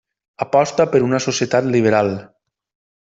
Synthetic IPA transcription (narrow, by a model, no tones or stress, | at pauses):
apɔst̪əpəɾunəsosjət̪at̪liβ̞əɾalˠ